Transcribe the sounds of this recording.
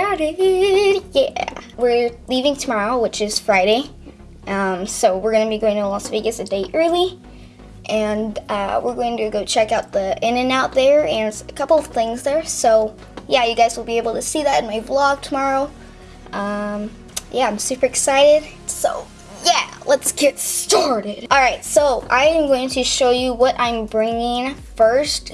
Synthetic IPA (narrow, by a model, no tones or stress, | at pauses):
ɾ | jæ̰wɪɹlivɪ̃ŋtʰəmɑɹoʊwɨt͡ʃɨz̥fɹaɪɾeɪ | ʔʌ̃msoʊwɪɹɡʌ̃nɨbiɡoʊɪ̃ŋtʰəlɑsveɪɡɨsɨdeɪʔʔɜɪ˞lˠi | ʔɨ̃nʌ̰wɪ̰ɹɡoʊɪ̃ŋtʰɨɡoʊt͡ʃʰɛkaʊt̪̚ðiʔɪ̃nɨ̃naʊt̪̚ðə˞ɨ̃nɨtsɨkʰʌpl̩ˠʌv̥θɪ̃ŋzðə˞soʊ | jæjɨɡaɪzwəlˠbieɪbl̩ˠtʰɨsiðɨɾɨ̃nmaɪblɔɡ̚tʰəmɑɹoʊ | ʔʌ̃m | jæãɪ̃msʉpə˞ɨksaɪɾɪd̥ | soʊ | jælətsɡ̥ɛtstɑɹɾɪd̥ʔɔlˠɹaɪtsoʊʔã̰ɪ̃mɡoʊɪ̃ŋtʰɨʃoʊjɨwʌɾʔã̰ɪ̃mbɹɪ̃ŋɪ̃ŋfɜ˞st